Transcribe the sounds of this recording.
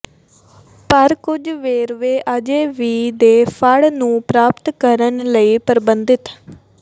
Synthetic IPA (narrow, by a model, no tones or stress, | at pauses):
pəɾkʊd͡ʒʋeːɾʋeːʔəd͡ʒeːʋiːd̪eːfʰəɽnũːpɾaːpt̪kəɾənləiːpəɾbənd̪ɪt̪